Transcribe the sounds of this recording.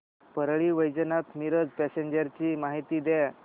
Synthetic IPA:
pəɾɭiːʋəjd͡zənat̪miɾəd͡zpɛseɲd͡ʑəɾt͡ɕiːmaɦit̪iːd̪ɛ

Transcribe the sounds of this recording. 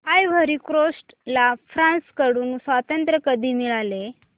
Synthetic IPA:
ɦajʋ̤əɾikɾosʈ | lafɾãnskəɽuːnsʋat̪ənt̪ɾəkəd̪ʱiːmiɭale

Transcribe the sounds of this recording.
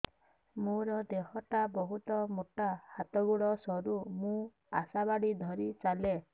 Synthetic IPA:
mũɾɔd̪eɦɔʈabɔɦut̪ɔmoʈahat̪ɔɡuɭɔsɔɾumũ | a̰sabaɽid̪ʱɔɾit͡ʃale

